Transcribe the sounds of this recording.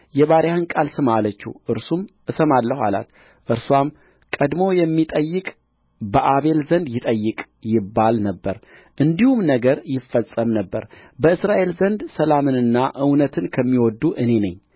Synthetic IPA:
jɛβaɾjahɨnkʼalsɨmalət͡ʃːṵʔɨɾsumʔɨsəmalːəha̰la̰t̪ | ʔɨɾswam | kʼəd̪mo̞jɛmːit̪ʼəjːɪkʼ | bəʔaβe̞lzənd̪jɪt̪ʼəjːɨkʼ | jɪbːalnəbːəɾ | ʔɨnd̪ihumnəɡəɾjɪfːəsʼəmnəbːəɾ | bəɨsɾaʔe̞lzənd̪səlamɨnɨnːaʔɨwnət̪ʰɨnkʰəmːiwɔd̪ːuʔɨne̞nə̰ɲː

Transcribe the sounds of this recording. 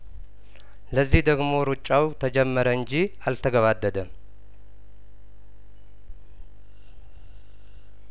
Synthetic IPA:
ləzːihd̪əɡmo̞ɾut͡ʃʼːawt̪ʰəd͡ʒɛmːəɾəɨɲd͡ʒialt̪ʰəɡəβad̪ːəd̪əm

